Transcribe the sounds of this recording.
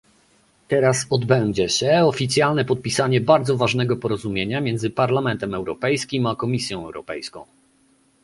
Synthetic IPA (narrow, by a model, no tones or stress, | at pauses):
t̪ɛɾasɔd̪bɛɲd͡ʑɛɕɛɔfʲit̪sʲjalnɛpɔt̪̚pʲisaɲɛbaɾd̪zɔvaʐnɛɡɔpɔɾɔzumʲjeɲamʲjɛnd̪zɘpaɾlamɛnt̪ɛmɛwɾɔpɛjskʲimakɔmʲisʲjɔ̃w̃ɛ̰wɾɔ̰pɛjskɔ̃w̃